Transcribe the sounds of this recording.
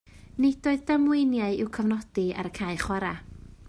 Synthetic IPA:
nɪd̥oɨðdamwɪnjaɨɪwkʰəvnɔd̥ia̰ɾəkʰaːɨχwaɾa

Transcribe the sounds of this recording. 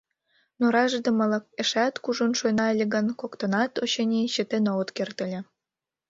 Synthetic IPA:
noɾɑʒd̪ɤ̆mɤ̆lˠɤ̆k̚ĕʃæt̪kuʒonʃojnɑelʲĕɡə̆nkokt̪ɤ̆nɑt̪oɕenʲiɕə̆t̪enowə̆t̪kert̪ɘ̆lʲĕ

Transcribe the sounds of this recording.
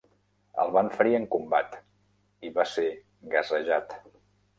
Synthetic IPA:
ə̰lˠβaɱfəɾiəŋkumbat̪ | iβase | ɡəzəʒat̪

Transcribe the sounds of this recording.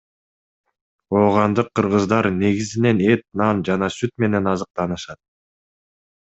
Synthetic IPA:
oːʁɑnd̪ɯqʰːɯɾʁɯzd̪ɑɾne̞ɡizine̞ne̞t̪̚nɑnd͡ʒɑnɑsyt̪me̞ne̞nɑzɯq̚t̪ɑnɯʃɑt̪̚

